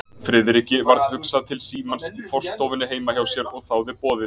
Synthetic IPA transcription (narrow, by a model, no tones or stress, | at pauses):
fɾɪðɾicɪvaɾðhʏksaðt̪ʰɪlsiːmansifɔr̥st̪owvɪnɪɦeːjmaçjawsjɛɾɔɣθawvɪpɔːðɪ